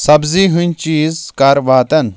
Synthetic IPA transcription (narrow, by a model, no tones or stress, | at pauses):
sɐbziɦunʲt͡ʃiːzkaɾʋaːt̪ɐn